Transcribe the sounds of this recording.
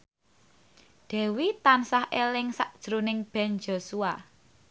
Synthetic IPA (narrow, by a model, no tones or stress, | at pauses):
d̪̥ɛ̤wit̪ansahʔelɪŋsaʔd̥ʒ̥ɾunɪŋb̥ɛ̤nd͡ʒosua